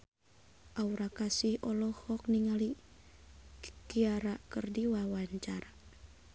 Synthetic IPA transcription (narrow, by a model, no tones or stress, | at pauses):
ʔauɾakasihɔlɔhɔk̚niŋali | kiaɾakərdiwawaɲt͡ʃaɾa